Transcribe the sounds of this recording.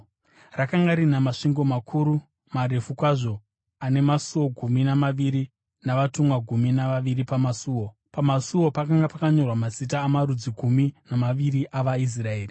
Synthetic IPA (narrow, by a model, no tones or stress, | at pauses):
rakaŋɡaɾinamaʂiŋɡo̞makʰuːɾu | maɾe̞fukwaʐo̞ | ane̞masuwo̞ɡʱuminamaʋiɾi | naʋatumwaɡʱuminaʋaʋiɾipamasuːwo̞ | pamasuwo̞pakaŋɡapakaɲo̞rwamasit̬aːmaɾud͡ziɡʱuminamaʋiɾiʔaʋais̬raeːri